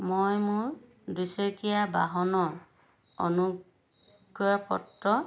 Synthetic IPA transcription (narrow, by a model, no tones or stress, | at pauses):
mojmʊɹ | dusɔkijaba̰ɦɔnɔɹ | o̰nu | ɡɔɹpɔ̰tːɔ